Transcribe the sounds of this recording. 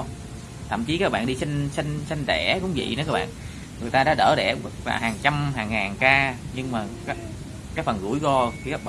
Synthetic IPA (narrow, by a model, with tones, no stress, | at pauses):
t̪ʰə̰˧˨mt͡ɕi˨˦kaː˦˥k̚ɓa̰ː˧˨nɗi˧si˧ŋsi˧ŋsi˧ŋ̟t̪ɛ˧˩kʊ̰˧˥ŋ͡mvḭ˧˨nɔ˨˦kaː˦˥ɓa̰ː˧˨n | ŋɨ˨˩əjt̪aː˧ɗa̰ː˧˥ɗə̰ː˧˩ɗɛ˧˩˦va̰ː˨˩wɦaː˨˩ŋt͡ɕa˧mɦaː˨˩ŋːaː˨˩ŋkaː˧ɲɨ˧ŋmaː˨˩kaː˦˥ | kaː˨˦˥jfə˨˩nɣu˧˩əjɣɔ˧kaː˦˥k̚ɓa˧˨